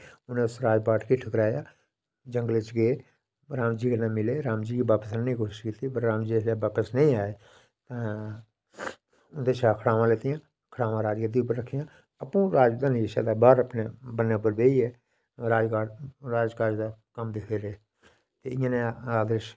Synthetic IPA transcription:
ʊnẽʊsɾaːd͡ʒpaːʈʰkiʈʰəkəɾaːjaː | d͡ʒəŋɡəlɪt͡ʃɡeː | ɾaːmd͡ʒiːɡənãːmɪleːɾaːmd͡ʒiːkiːbaːpəsnnĩːkoːʃɪʃkiːt̪iːpəɾːãːmd͡ʒiːslɛːbaːpəsnəĩːaːeː | t̪ãː | ʊnd̪eːt͡ʃʰaːkʰəɽaːʋãːleːt̪ɪjãː | kʰəɽaːʋãːɾaːd͡ʒkət̪̬iːʊp̬ːəɾːəkʰːɪjãː | əpũːɾaːd͡ʒd̪aːneʃa̰ːd̪aːbaːɾəpneːbənːeːʊpːəɾbeːiːɛː | ɾaːd͡ʒkaːɾaːd͡ʒkaːɾd͡ʒd̪aːkəmd̪ekʰeːɾeː | t̪eːɪjãːnẽːaːd̪əɾʃ

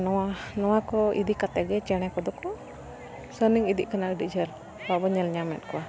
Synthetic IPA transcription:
nɔwanɔwakɔḭd̪iʔkat̪ɛɡɛt͡ʃɛɽ̃ɛkɔd̪ɔkɔ | səniŋid̪ḭʔkanaəɖid͡ʒʱəl | babɔɲɛlɲamɛt̪̚kɔa

